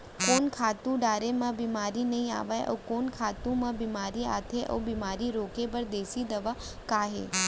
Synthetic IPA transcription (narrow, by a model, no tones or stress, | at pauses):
koːnkʰaːt̪ũɖaːɾemãbiːmaːɾinɐɦĩa̰ːʋaeʔo̰ːkoːnkʰaːt̪ũmãbiːmaːɾia̰ːt̪ʰeʔo̰ːbiːmaːɾiɾoːkebəɾd̪eːsid̪ɐʋa | kaːɦḛː